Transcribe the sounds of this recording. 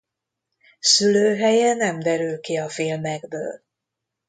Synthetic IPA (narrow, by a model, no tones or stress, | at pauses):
syløːɦɛjɛnɛmd̪ɛɾylkiɒfiːlmɛɡbø̰ːl